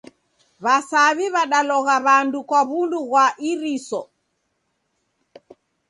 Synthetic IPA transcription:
βasaːβiβaɗalɔɣaβaːndukaβunduɣwaʔiɾisɔ

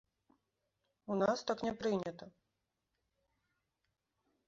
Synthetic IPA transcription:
unast̪aknʲɛpɾɨnʲɐt̪ɐ

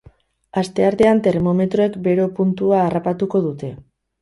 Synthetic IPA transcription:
ast̪e̞aɾt̪e̞ant̪e̞ɾmo̞me̞t̪ɾoe̞kbe̞ɾo̞punt̪uaːrapat̪uko̞ð̞ut̪e̞

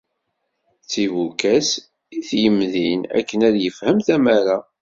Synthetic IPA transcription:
t͡sːivukæs | iθjəmðinæ̰kːənæðjəfhəmθæmæɾa

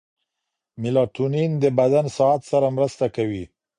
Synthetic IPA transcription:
mɪlɑt̪unind̪əbad̪ansɑat̪saɾamɾəst̪akawi

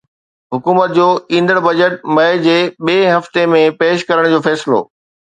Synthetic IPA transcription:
ɦʊkuːmət̪̚d͡ʑoːĩːnd̪əɽbɐd͡ʑəʈ̚mɐɪd͡ʑeːɓeːɦɐft̪emẽpeːʃkɐɾəɽ̃d͡ʑoːfɛːsɪlo̰ː

